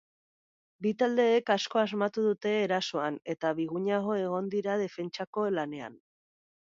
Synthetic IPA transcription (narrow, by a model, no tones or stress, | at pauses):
bit̪ald̪e̞ːkasko̞azmat̪uðut̪e̞ːɾaso̞ane̞t̪aβiɣuɲaɣ̞o̞e̞ɣ̞o̞nd̪iɾað̞e̞fe̞nt͡ʃako̞lane̞a̰n